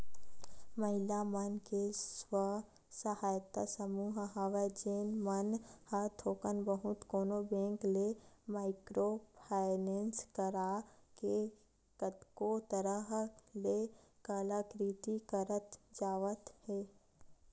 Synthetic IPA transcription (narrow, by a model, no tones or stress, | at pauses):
məɦɪlamənkeswə | səhaːjt̪asəmuːɦɦaʋed͡ʒeːnmənhəɾt̪ʰoːkənbəɦʊt̪koːnobẽːŋklemaːɪkɾopʰaːɪnẽːnskəɾake | kət̪kot̪əɾəɦlekəlakɾit̪ikəɾət̪d͡ʒaːʋət̪hɛː